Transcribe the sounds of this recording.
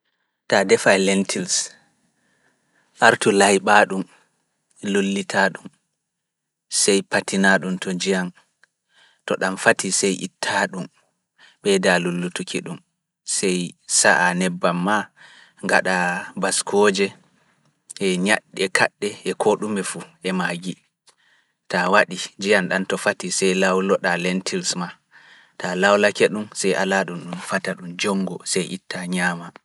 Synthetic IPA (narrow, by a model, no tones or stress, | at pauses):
tadɛfalɛntʰils | ʔaɾtulajɓaːɗum | lolːitʰaɗum | sɛjpatinaɗumtɔd͡ʒijan | tɔɗamfatʰisɛjʔḭtʰːaɗum | ɓɛdalulːutukʰiɗum | sɛjsaʔanɛbːamːa | ŋɡaɗabaskʰɔd͡ʒɛ | ʔɛɲaɗːɛkʰa̰ɗːɛɛkʰoɗumɛfuʔɛmaɡi | tawaɗid͡ʒijanɗantɔfatisɛjlawlɔɗalɛntʰilsma | talawlakɛɗumsɛjʔa̰laɗumɗumfataɗumd͡ʒɔŋɡɔsɛjʔḭtːaɲaːma